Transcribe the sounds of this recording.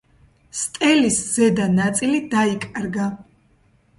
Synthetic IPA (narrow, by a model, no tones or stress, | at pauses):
st̪ʼɛlisz̥ɛd̪anat̪sʼilid̪aikʼɾɡa